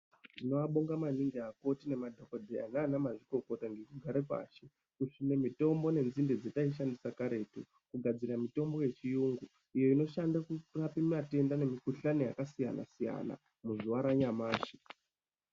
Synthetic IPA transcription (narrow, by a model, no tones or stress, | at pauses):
tino̞ʋaɓoŋɡamaniŋɡeako̞tine̞madʱokodʱea̰naːnamaʐiko̞ko̞taŋɡekuɡʱaɾepa̰ːʃe | kuʂune̞mito̞mbo̞ne̞nzinded͡zetaiʃ̬andisakaɾe̞tu | kuɡʱad͡ziramito̞mbo̞jet͡ʃijuŋɡu | ijo̞ino̞ʃandakurapimate̞ndane̞mikuɬanojakasija̰na̰sija̰na̰ | muzuʋaɾaɲamaːʃi̥